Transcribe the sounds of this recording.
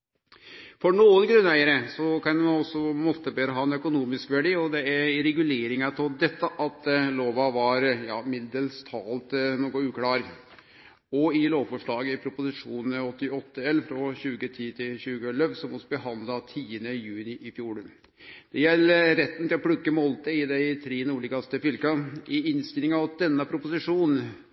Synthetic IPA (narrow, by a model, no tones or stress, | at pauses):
fɔɳoːənɡɾʉnæɪəɾəsɔkɑnmɑnɔsːɔmɔt̪ːəbeːɾəɦɑːɛnœkʊnuːmɪskʋæɖiːɔd̪ɛæɾɪɾɛɡʉleːɾɪŋɑt̪ʰɔd̪ɛt̪ːɑʔɑt̪loːʋɑʋɑɾjɑ̰ːmɪd̪əlst̪ʰɑːlt̪noːkɔʉːkʰlɑːɾ | ɔɪloːʋfɔʂɭɑːɡəɪpʰɾʊpʊsɪʂuːnn̩əɔt̪ːɪɔt̪ːəɛlːfɾɔɕʉːɡət̪ʰiːt̪ʰɪlɕʉːɡəlœʋsɔmɔsɔbəɦɑnd̪lɑt̪ʰiːənəjʉːnɪʔɪfjuːɭə | d̪̥ɛjɛlːəɾɛt̪ːn̩t̪ɪlɔpʰɽʉkːəmɔlt̪əɪd̪ɛɪt̪ʰɾeːnuːɭɪɡɑst̪əfʏlkɑʔɪɪnst̪ɪlɪŋɑʋd̪̥ɛnːəpʰɾʊpʊsɪʂuːnn̩